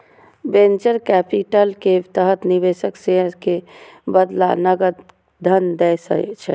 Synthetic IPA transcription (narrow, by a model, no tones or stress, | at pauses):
bẽnt͡ʃəɾkɛpiʈəlket̪əɦət̪nibeʃəkseəɾkebəd̪la̰nəɡəɾ | d̪ʱənd̪ɛsə̰ɛ̰t͡ʃʰɛ